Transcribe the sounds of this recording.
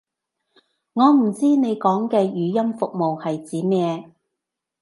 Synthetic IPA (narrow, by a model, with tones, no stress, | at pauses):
ŋɔː˨˧m̩˨˩t͡siː˥ne˨˧jkɔː˨˥ŋkɛː˧jyː˨˧jɐ˥mfʊ˨k̚mo˨whɐ˨jt͡siː˨˥mɛː˥˧